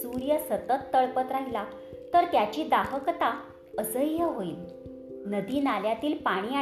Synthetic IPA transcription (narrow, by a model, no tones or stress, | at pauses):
suɾjəsət̪ət̪ːəɭpət̪ɾaɦila | t̪əɾt̪jat͡ɕiːd̪aɦəkt̪a | əsəjjəɦoiːl | nəd̪iːnaljat̪iːlpaɽ̃iːa